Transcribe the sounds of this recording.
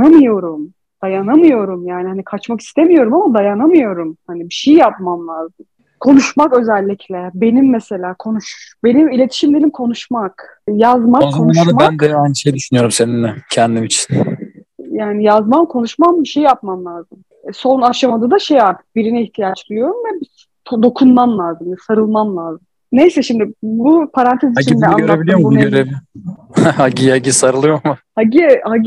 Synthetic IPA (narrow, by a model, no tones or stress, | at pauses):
amɯjo̞ɾum | d̪̥ajanamɯjo̞ɾumjaːnihanikʰat͡ʃmaki̥st̪ʰe̞mijo̞ɾumamad̪ajanamɯjo̞ɾumhanibiʃejjap̚mamlʲˠaːzɯm | kʰo̞nuʃmakø̞zɛlʲːicʰlʲɛbe̞nimːese̞lʲaːkʰo̞nuʃbe̞nimilʲe̞t̪ʰi̥ʃimd̪elʲimkʰo̞nuʃmakjazmaozk̪aoad̪ambænd̪ɛhajnʃejd̪yʃynyjo̞ɾumse̞nind̪ɛcʰɛnd̪imit͡ʃʰi̥n | jaːnijazmamkʰo̞nuʃmambiʃe̞jjap̚mamlʲˠaːzɯm | ɛso̞naʃamad̪ad̪aʃe̞jaɾt̪ʰɯ̥k̚biɾinɛiçt̪ʰijat͡ʃd̪ʲɯɾjo̞ɾumvɛbi | t̪ʰod̪o̞kʰunmamlˠaːzɯmɛsaɾɯlˠmamlˠaːzɯm | ne̞jsɛʃimd̪ɪbupʰaɾant̪ʰeziaɟimɛaøɾebilʲijombuøɾevihhaɟiaɟisaɾɯlˠɯjoɾmuhaɟihaɟi